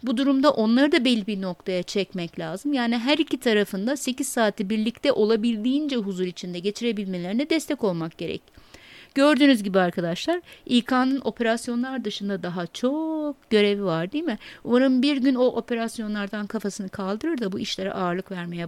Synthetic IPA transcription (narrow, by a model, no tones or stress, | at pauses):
bud̪uɾumd̪aʔo̞nlˠaɾɯd̪abɛlʲːibiɾno̞k̚t̪ʰajat͡ʃʰɛcmɛclʲaːzɯmjaːniɦæɾicʰit̪ʰaɾafɯnd̪ase̞ciz̥saːt̪ʰːibiɾlʲict̪ʰɛʔo̞lˠabilʲd̪iːind͡ʒɛɦuzuɾit͡ʃʰind̪ɛɟe̞t͡ʃʰiɾe̞bilʲme̞lʲeinɛd̪ɛst̪ʰɛco̞lˠmak̚ɟ̥e̞ɾɛ̰cɟ̥ø̞ɾd̪yːnyzɟibiaɾkʰad̪aʃlˠaɾijkʰanɯno̞pʰe̞ɾasjo̞nlˠaɾd̪ɯʃɯnd̪ad̪aɦat͡ʃʰo̞ɟ̥ø̞ɾe̞vivaɾd̪ijmɪumaɾɯmbiɾɟyno̞ʔo̞pʰe̞ɾasjo̞nlˠaɾd̪ankʰafasɯnɯkʰalˠd̪ɯɾɯɾd̪abuiʃlʲe̞ɾɛ̰ʔaːɾlˠɯkvæɾme̞jɛ